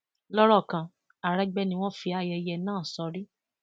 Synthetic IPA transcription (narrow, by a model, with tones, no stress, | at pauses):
lɔ˦ɾɔ˦˨kã˨ | a˨ɾɛ˦ɡ͡bɛ˦nĩ˧w̃ɔ̃˦fi˧˦a˦˧jɛ˧˦jɛ˧nãː˦˨sɔ˨˧ɾi˦